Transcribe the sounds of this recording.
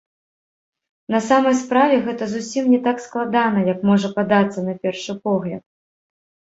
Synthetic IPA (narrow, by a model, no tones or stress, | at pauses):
nɐsamɐjspɾavʲɛɣɛt̪ɐzusʲimnʲɛt̪aksklˠad̪anɐjɐkmɔʐɐpad̪at̪sːɐnɐpʲɛrʂɨpɔɣlʲɐ̰t̪̚